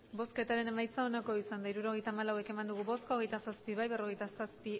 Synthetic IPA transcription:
bo̞ske̞t̪aɾe̞ne̞majt͡sao̞nako̞isand̪aiɾuɾo̞ɣe̞jt̪aːmalawe̞ke̞mand̪uɣ̞uβo̞sko̞ɣ̞e̞jt̪asaspiβajβe̞ro̞ɣ̞e̞jt̪asaspi

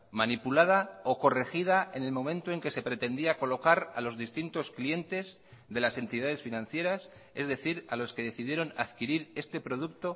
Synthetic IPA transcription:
manipulað̞ao̞ko̞re̞xið̞ae̞ne̞lmõ̞mẽnt̪oe̞ŋke̞se̞pɾe̞t̪e̞nd̪iako̞lo̞kaɾalo̞zðist̪int̪o̞sklije̞nt̪e̞z | ðe̞lase̞nt̪iðað̞e̞sfinãnθje̞ɾas | e̞zðe̞θiɾalo̞ske̞ðe̞θiðje̞ɾo̞naðkiɾiɾe̞st̪e̞pɾo̞ðukt̪o̞

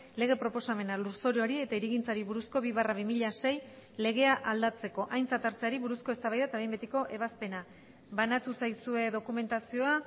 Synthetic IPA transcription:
le̞ɣ̞e̞pɾo̞po̞same̞naluɾso̞ɾjoaɾie̞t̪aiɾiɣint͡saɾiβuɾusko̞βiβaraβ̞imiʎase̞jle̞ɣ̞e̞aʔald̪at͡se̞ko̞ʔajnt͡sat̪aɾt͡seaɾiβuɾusko̞e̞st̪aβajðat̪ae̞jmbe̞t̪iko̞ʔe̞β̞aspe̞na | βanat̪usajsue̞ðo̞kume̞nt̪asio̞a

